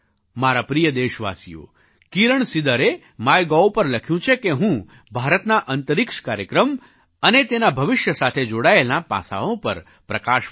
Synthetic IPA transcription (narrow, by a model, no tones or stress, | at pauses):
maɾapɾijəd̪eʃʋa̰sḭjo̰ | kiɾəɳsid̪əɾe | majɡɔopəɾləkʰjũt͡ʃʰekeɦũ | bʱaɾət̪naʔənt̪əɾɪkʂkaɾjəkɾəm | ənet̪enabʱəʋɪʃjəsat̪ʰed͡ʒoɽaelnapã̰sa̰ʋõpə̰ɾ | pɾəkaʃ